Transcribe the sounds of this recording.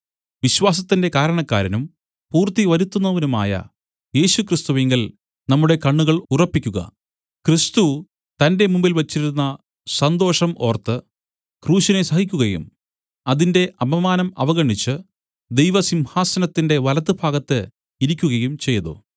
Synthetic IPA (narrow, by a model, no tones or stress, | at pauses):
ʋiɕwaːs̬ɐt̪ːinde̞kaːɾɐɳɐkːa̰ːɾɐnum | puːrt̪iʋɐɾut̪ːunːɐʋɐnuma̰ːjɐ̰ | je̞ːɕukrist̪uʋeŋɡil | nɐmːuɽe̞kɐɳːuɣɐɭurɐpːikʲːuɣɐ̰ | krist̪u | t̪ɐnde̞mumbilʋɐt͡ɕːiɾunːɐ | sɐnd̪o̞ːʂɐmo̞ːrt̪ːɨ | kruːɕɐnesɐhikʲːuɣɐjṵm | ɐðinde̞ʔɐbɐmaːnɐmɐʋɐɣɐɳːit͡ɕːɨ | d̪e̞jʋɐsimhaːsɐnɐt̪ːinde̞ʋɐlɐt̪̬ːɨbʱaːɡɐt̪ːɨ | iɾikʲːuɣɐjumt͡ɕe̞jːɐðo̰